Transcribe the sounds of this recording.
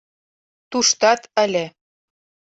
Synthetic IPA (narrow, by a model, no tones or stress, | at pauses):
t̪uʃt̪ɑt̪ə̆lʲĕ